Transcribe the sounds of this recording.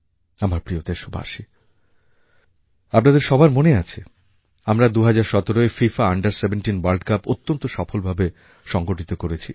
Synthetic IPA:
amaɾpɾiot̪eʃobʱa̰ʃi | ap̚nad̪eɾʃɔbʱaɾmoneat͡ɕʰe | amɾad̪uɦad͡ʑaɾʃɔt̪oɾoefifaaɳɖaɾsebenʈinwalɖkapot̪ːont̪oʃɔfolbʱabe | ʃɔŋɡoʈit̪okoɾet͡ɕʰi

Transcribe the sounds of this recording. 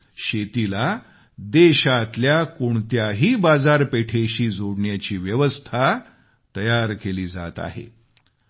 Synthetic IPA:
ɕet̪ila | d̪eɕat̪ljakoɳt̪jaɦiːbad͡zaɾpeʈʰeɕiːd͡zoɽɳjat͡ɕiːʋjəʋəst̪ʰa | t̪əjaɾkeliːd͡za̰t̪a̰ɦḛ

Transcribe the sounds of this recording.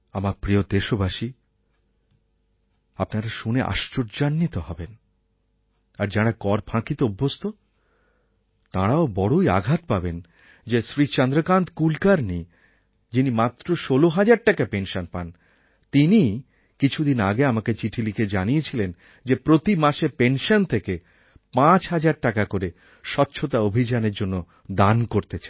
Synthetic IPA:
amaɾpɾiod̪eʃobaʃi | apnaɾaʃuneʔa̰ʃt͡ɕoɾd͡ʑanːit̪ohɔben | aɾd͡ʑaɽakɔɾbʰʱãkit̪oobʱːost̪o | t̪aɽaobɔɽoia̰ɡʱat̪̚paben | d͡ʑesɾit͡ɕɔnd̪ɾokand̪kulkaɾni | d͡ʑinimat̪ːɾoʃoloɦad͡ʑaɾʈakapenʃonpa̰n | t̪ini | kit͡ɕʰud̪ina̰ɡeamaket͡ɕiʈʰiliked͡ʑanijet͡ɕʰilen | d͡ʑepɾot̪imaʃepenʃont̪ʰeke | pãt͡ɕɦad͡ʑaɾʈakakoɾe | ʃɔtːɕʰot̪aobʱid͡ʑaneɾd͡ʑonːo | d̪ankoɾt̪et͡ɕʰḁ

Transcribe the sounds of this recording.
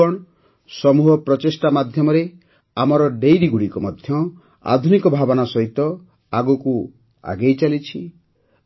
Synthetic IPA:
ɔɽ̃ | sɔmuɦɔpɾɔt͡ʃesʈamad̪ʱjɔmɔɾe | amɔɾɔɖejɾiɡuɽikɔmɔd̪ʱjɔ | a̰d̪ʱunikɔbʱabɔnasɔɦit̪ɔ | aɡuku | a̰ɡejt͡ʃalit͡ʃʰi

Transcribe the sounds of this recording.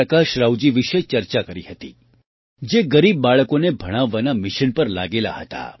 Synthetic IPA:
əkaʃɾawd͡ʒiʋiʃet͡ʃəɾt͡ʃakəɾihət̪i | d͡ʒeɡəɾib̚ːaɭəkonebʱəɽ̃aʋːanamɪʃənpəɾla̰ɡela̰ɦə̰t̪a̰

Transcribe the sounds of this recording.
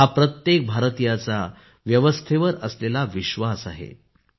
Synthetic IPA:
ɦapɾət̪jek̚bʱaɾt̪ijat͡sa | ʋjəʋəst̪ʰeʋəɾəslelaʋiɕʋasaɦḛ

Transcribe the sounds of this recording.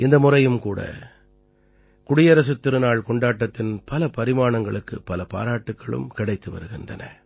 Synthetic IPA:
ɪnd̪ɐmʊrɐjɯmkuːɽɐ̰ | kʊɽɪjɐɾɐs̬ɯt̪ːɪɾɯnaːɭkɔɳɖaːʈːɐt̪ːɪnpɐlɐpɐɾɪmaːɳɐŋɡɐɭɯkːɯ̰pːɐlɐpa̰ːɾaːʈːɯkːɐɭɯ̰mkɪɽɐɪt̪ːɯʋɐ̰ɾɯɣɪndrɐ̰nɐ̰

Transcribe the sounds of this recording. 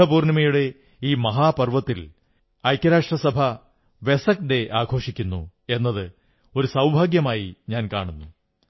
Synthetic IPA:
ɐpuːrnɐmɐjuɽe̞ | iːmɐɦaːpɐrʋɐt̪ːil | ɐjkʲːɐɾaːʂʈrɐsɐbʱɐ | ʋesɐk̚ɖe̞ʔaːɡʰʱo̞ːʂikʲːunːṵ | e̞nːɐðɨ | o̞ɾusɐwbʱaːɡjɐmaːjiɲaːnkaːɳunːu

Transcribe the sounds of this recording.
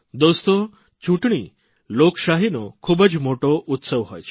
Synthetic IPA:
d̪ost̪o | t͡ʃuʈɳ̃ḭː | lokʃaɦinokʰuːbəd͡ʒmoʈoʔut̪səʋɦɔ̰jt͡ʃʰ

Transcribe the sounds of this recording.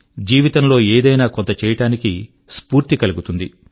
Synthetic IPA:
d͡ʒiːʋit̪ɐmlo̞ːeːd̪ɐjnaːkont̪ɐt͡ʃɛːjɐʈaːniki | spuːɾt̪ikɐluɡut̪und̪i

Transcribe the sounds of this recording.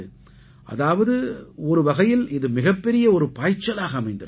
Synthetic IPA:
ɯ | ʔɐ̰ðaːʋɐðɯɔɾɯʋɐɣɐjɪlɪðɯmɪɣɐpːɛɾɪjɐɔɾɯpaːɪt͡ʃːɐlaːɣɐːmɐɪnd̪ɐ

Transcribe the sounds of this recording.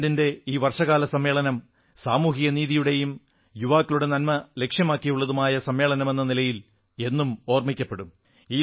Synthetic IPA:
dinde̞iːʋɐrʂɐɣaːlɐsɐmje̞ːɭɐnɐm | saːmuːɦiɣɐniːðijuɽe̞jum | juʋaːkːiluɽe̞nɐnmɐle̞kʂjɐmaːkːijuɭːɐðumaːjɐsɐmje̞ːɭɐnɐme̞nːɐnilɐjil | e̞nːumo̞ːrmikʲːɐpːe̞ɽum | iː

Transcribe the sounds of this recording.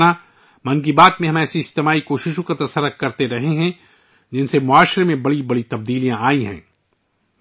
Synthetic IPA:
na | mɐ̃ŋɡibaːt̪mẽɦɐmɛːsiɪst̪emaːikoːʃɪʃõkat̪ɐsɐɾːək̚kɐɾt̪eɾɐɦeɦɛ̃ | d͡ʒɪnsemʊaːʃɾemẽbɐɽibɐɽit̪ɐb̚d̪iːlijãaːiɦɛ̰̃ː

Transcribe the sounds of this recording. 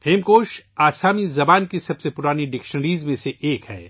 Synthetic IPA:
pʰeːmkoːʃaːsaːmizɐbaːnkisɐbsepʊɾaːniɖɪkʃənɾiːzmẽseʔeːkhɛ̰ː

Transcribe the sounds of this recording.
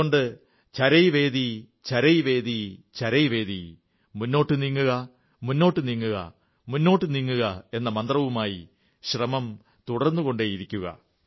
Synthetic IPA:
oɳɖɨ | t͡ɕɐɾɐjʋe̞ːd̪i | t͡ɕɐɾɐjʋe̞ːd̪it͡ɕɐɾɐjʋe̞ːd̪i | munːo̞ːʈːɨniŋːuɣɐ | munːo̞ːʈːɨniŋːuɣɐ̰ | munːo̞ːʈːɨniŋːuɣɐe̞nːɐmɐnd̪rɐʋumaːji | ɕrɐmɐm | t̪uɽɐrnːuɣo̞ɳɖeiɾikʲːuɣɐ̰

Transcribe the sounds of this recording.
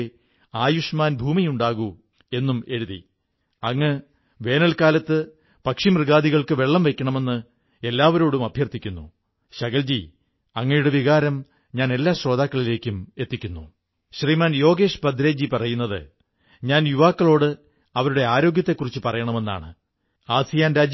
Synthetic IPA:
aːjuʂmaːnbʱuːmijuɳɖaːɣu | e̞nːume̞ɻuðḭ | ɐŋːɨ | ʋe̞ːnɐlkaːlɐt̪ːɨ | pɐkʂimrɨɣaːd̪iɣɐɭkɨʋe̞ɭːɐmʋe̞kʲːɐɳɐme̞nːɨ | e̞lːaːʋɐɾo̞ːɽumɐbʱjɐrt̪ikʲːunːu | ɕɐɣɐld͡ʑi | ɐŋːɐjuɽe̞ʋiɣaːɾɐm | ɲaːne̞lːaːɕro̞ːd̪aːkːɐɭile̞ːkʲːume̞t̪ːikʲːunːu | ɕriːmaːnjo̞ːɡe̞ːʂbɐd̪ɾe̞ːd͡ʑipɐrɐjunːɐðɨ̰ | ɲaːnjuʋaːkːɐɭo̞ːɽɨ | ɐʋɐɾuɽe̞aːɾo̞ːɡjɐt̪ːe̞kːurit͡ɕːɨpɐrɐjɐɳɐme̞nːa̰ːɳɨ | aːsijaːnɾaːd͡ʑ

